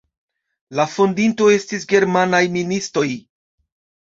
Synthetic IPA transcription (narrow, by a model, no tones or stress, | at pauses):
lafo̞ndinto̞e̞stisɡe̞ɾmanajministo̞j